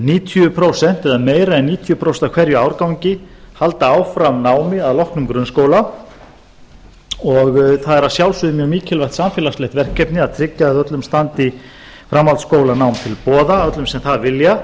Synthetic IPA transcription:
niːt̪ʰjʏpʰɾowsɛn̥t̪ɛɾðameːjɾaɛnːiːt̪ʰjʏpʰɾowsɛnt̪akʰvɛɾjʏawɾkawɲcɪ | hal̪t̪aaːwfɾamnaːwmɪaðlɔhknʏmkɾʏnskoːwla | ɔɣθaðɛɾaðsjawlsʏðɪmjœɣmiːcʰɪlvajht̪samfɛːlaslɛht̪vɛr̥cːɛpnɪaðt̪ʰɾɪcːaːðœt̪lʏmst̪ant̪i | fɾamːalt̪skoːwlanawmt̪ʰɪlpɔːðaœt̪lʏmsɛmθaðvɪlja

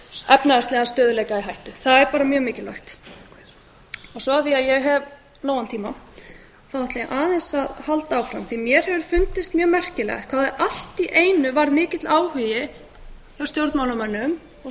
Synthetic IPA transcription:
ɛpnaðast̪ɛːɣast̪œːðʏlɛjkaiɦajht̪ʏθaðɛɾpaːɾamjœːɣmɪːcɪla̰jht̪ | ɔɣsɔaθiaðjɛɣɦɛv | loːwɣant̪ʰiːma | θawɛht̪laʔaːðɛnsaðhalt̪aːwfɾa̰mθimjɛɾ̥hɛvʏɾfʏnt̪ɪst̪mjœːɣmɛr̥cɪlɛ̰kʰvaːðaðʔal̥t̪iʔeːjnʏvaɾðmɪːcɪt̪laːwhʏjɪ | awst̪jowɾt̪maːwlamɛnːʏm | ɔ

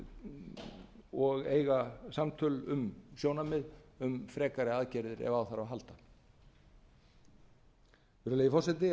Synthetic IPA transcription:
ɔɣeːjɣasamt̪ʰʏlʏmsjoːwnamɪðʏmfɾɛːkaɾɪaːðcɛɾðɪɾɛ̰vawθaɾawɦalt̪ḁ | vɪɾleːjɪfɔrsɛt̪ɪ

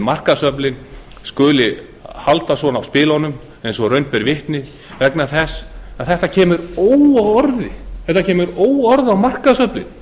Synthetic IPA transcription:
mar̥kaðsœplɪn | skʏːlɪ | halt̪asvɔnawspɪːlɔnʏm | ɛjnsɔɾœɥnt̪̚pɛɾvɪht̪nɪ | vɛknaθɛsaθɛht̪acʰɛːmʏɾoːwaɔɾðɪθɛht̪ːacʰɛːmʏɾoːwɔɾðɪawmar̥kaðsœplɪ̰n

